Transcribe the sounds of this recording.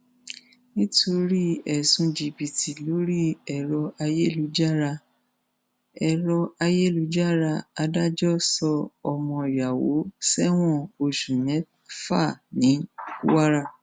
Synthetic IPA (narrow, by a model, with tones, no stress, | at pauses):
nĩ˦tʰo˧ɾi˦ɛ˨sũ˧d͡ʒi˧bi˨tʰi˨lo˨˦ɾi˦ɛ˧˨ɾɔ˧a˧je˦˨lu˨˦d͡ʒa˦ɾa˧ | ɛ˧ɾɔ˧a˧je˦˨lu˨˧˦d͡ʒa˦ɾa˧a˧da˦d͡ʒɔ˦sɔ˧ɔ˧mɔ̃˧i˨ja˨wo̰˨˦sɛ˦w̃ɔ̃˦o˧˨ʃu˨nɛ̃˨˦ | fa˦˨nĩ˨˦kṵ˦wa˦ɾa˦